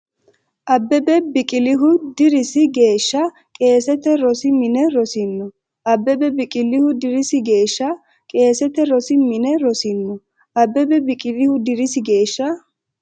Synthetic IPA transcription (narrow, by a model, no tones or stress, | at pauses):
ʔɐbːɛbɛbɪkʼɪlɪɦʊd̪ɪɾɪsɪɡe̞ːʃːɐ | kʼe̞ːsɛt̪ɛɾɔsɪmɪnɛɾɔsɪnːɔ | ʔɐbːɛbɛbɪkʼɪlɪhʊd̪ɪɾɪsɪɡe̞ːʃːɐ | kʼe̞ːsɛt̪ɛɾɔsɪmɪnɛɾɔsɪnːɔ | ʔɐbːɛbɛbɪkʼɪlɪhʊd̪ɪɾɪsɪɡe̞ːʃːɐ